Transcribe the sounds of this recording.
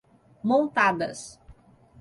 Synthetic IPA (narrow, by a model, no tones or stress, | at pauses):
mõnt̪ad̪ɐs